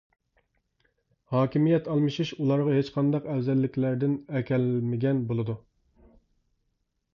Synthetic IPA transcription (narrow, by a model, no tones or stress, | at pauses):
hɑːkʲimijɛt̪ʰɑlˠmɨʃiʃulˠɑɾʁɑɦet͡ʃqʰɑnd̪ɑqɛwzɛlːɪkʲʰlæɾd̪ɪnɛkʲʰɛlmɪɡʲɛnbolˠɨd̪u